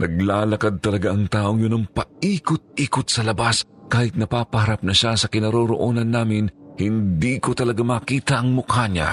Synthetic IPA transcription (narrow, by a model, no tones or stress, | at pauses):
nʔɐɡ̚laːlɐkad̪̚t̪ɐlɐɡaʔɐŋt̪aːʔo̞ŋjʊnɐŋpɐʔiːkʊt̪̚ʔiːkʊt̪̚sɐlɐbaskaːhɪt̪̚nɐpaːpɐhɐɾap̚nɐʃasɐkɪnɐɾoɾo̰ʔoːnɐnːaːmɪnhɪnd̪iːkot̪ɐlɐɡamaːkiːt̪ɐʔɐŋmʊkhaɲa̰